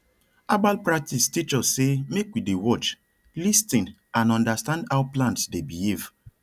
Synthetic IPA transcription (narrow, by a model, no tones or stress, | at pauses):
abalpɹak̚tistit͡ʃɔsemekwidewɔt͡ʃ | listĩn | ãnɔ̃ndastãndawplãntsdebihiv